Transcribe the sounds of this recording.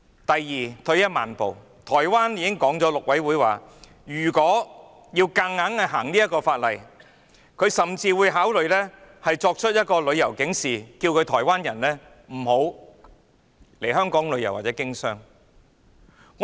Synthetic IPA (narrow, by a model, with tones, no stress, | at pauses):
t̪ɐ˨jːiː˨t̪ʰɵ˧ɥjɐ˥t̚ma̰ː˨˩npo˨w | t̪ʰɔː˨˩jwaː˥njiː˧kɪ˥ŋkɔː˨˥ŋt͡sɔ˨˥lʊ˨k̚wɐ˨˥jwuː˨˥jwa̰ː˨ | jyː˨˩kɔː˨˥ | jiː˧wka˧ŋːaː˨˥nɐ˧ɦaː˨˩ŋniː˥jɐ˥t̚kːɔː˧faː˧t̚lɐ˨j | kʰɵ˨˧ɥsɐ˨˩mt͡siː˧wuː˨˧jɦaː˨˥wlɵ˨ɥlɛː˥hɐ˨jt͡sɔː˧k̚t͡ʃʰt̚jɐ˥t̚kɔː˧lɵ˨˧ɥjɐ˨˩wkɪ˨˥ŋsiː˨˩ki˧wkʰɵ˨˧ɥt̪ʰɔː˨˩jwaː˥njɐ˨˩nlɛː˥ | m̩˨˩ho˨˥w | le˨˩jɦœː˥ŋkɔː˨˥ŋlɵ˨˧jɐ˨˩waː˨t̚t͡sɛ˨˥kɪ˥ŋsœː˥ŋ | ŋ